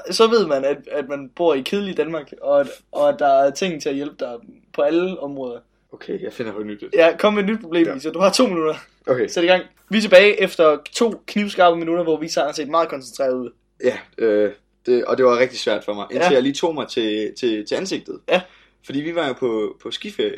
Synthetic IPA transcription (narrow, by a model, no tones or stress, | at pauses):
sɒ̽ʋe̝ð̞̰ˠmænæd̥æd̥mænb̥o̝ɐ̰ikʰeð̞ˠlid̥ænmɑ̈ːɡ̥ɒ̽ʔɒ̽d̥ɑ̈æɐt͡sʰe̝ŋ̰n̩t͡sʰe̝æjelb̥əd̥ɑ̈ɪ | pʰɒ̽æləɒ̽mʁɔːðˠɐ | okʰejɑ̈ɪfen̰ɐɒnyd̥jækʰɒ̽mːeed̥nyd̥̚pʰʁo̝b̥le̝̰misɒd̥uhɑ̈t͡sʰo̝̰ːminuɾ̥ɐ | okʰesed̥ɡ̥ɑ̈ŋ̰ | ʋit͡sʰe̝b̥ɛːɪʔefd̥ɐt͡sʰo̝̰ːkʰniʊsɡ̥ɑ̈b̥əminuɾɐʋɒʋiseɐ̰ænsḛːd̥mɑ̈ːðˠkʰɒ̽nsent͡sʰʁɛ̰ɐðˠð̰ˠ | jæø | d̥e̝ɒd̥e̝ʋɑ̈ʁɛɡ̥̚d̥i̥sʋæɐ̰d̥fɒ̽mɑ̈ɪʔenʰejaliːt͡sʰo̝̰ːmɑ̈ɪt͡sʰe̝t͡sʰe̝t͡sʰe̝ænse̝ɡ̥̚d̥ð̩ˠjæ | fɒdḭːʋiʋɑ̈jo̝pʰɒpʰɒ̽sɡ̥ifeɐjə